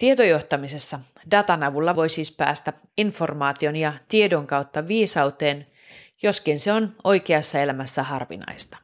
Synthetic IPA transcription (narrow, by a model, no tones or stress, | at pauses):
t̪ie̞t̪ojo̞ht̪ɑmise̞sːɑ | dɑt̪ɑnɑʋulːɑʋo̞jsiːspæ̰ːst̪æ | info̞rmɑːt̪io̞njɑt̪iedo̞ŋkɑwt̪ːɑʋiːsɑwt̪e̞ːn | jo̞skinseo̞no̞jkeɑsːɑe̞læmæsːæɦɑrʋḭnɑ̰jst̪ɑ̥